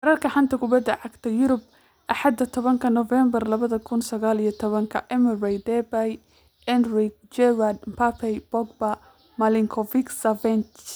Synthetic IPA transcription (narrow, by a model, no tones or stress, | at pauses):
bɐɾɐrkʰɐħant̪ʰɐkʰʊbɐd̪ːɐʕɑɡt̪ʰɐjʊɾʊb̚ | ʔɑħɑd̪ːɐt̪ʰɔβɐŋkʰɐnɔvɛmbɐrlɐβɐðɐkʰʊnsɐɣaːlijɞt̪ʰɔβɐŋkʰɐʔɛmɛrɛjd̪ɛbaj | ɛnrɪk̚d͡ʒɛwad̪mpʰapʰɛjbɔɡ̚bɐ | mɐlɪŋkʰɔvɪksɐvɛnt͡ʃ